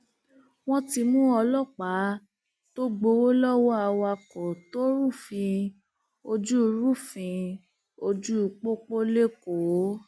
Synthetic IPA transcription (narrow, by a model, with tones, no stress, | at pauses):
w̃ɔ̃˦ti˧mũ˦ɔ˧lɔ˦˨k͡pa˨˦ | to˦ɡ͡bo˧o˦lɔ˦wɔ˦a˧wa˧kɔ˨to˦ɾu˦˨fĩ˧ | o˧d͡ʒu˦˧˦ɾu˦˨fĩ˧ | o˧d͡ʒu˦˧k͡po˦k͡po˦le˦ko˨˦